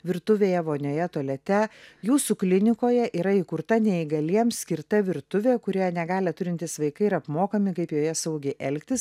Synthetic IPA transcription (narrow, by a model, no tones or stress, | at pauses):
ʋʲɪɾt̪ʊʋʲeːjɛʋoːnʲoːjɛt̪uɔlʲɛt̪ʲɛjuːsuklʲɪnʲɪkoːjɛʔiːɾɐikʊɾt̪ɐnʲɛɪɡɐlʲiɛmsʲkʲɪɾt̪ɐʋʲɪɾt̪ʊʋʲeːkʊɾʲiːjɛnʲɛɡɑːlʲɛt̪ʊɾʲɪnʲt̪ʲɪsʋɐɪkɐɪɪɾɐpmoːkɐmʲɪkɐɪpjoːjɛsɐʊɡʲɛɪʔɛlʲkʲt̪ʲɪs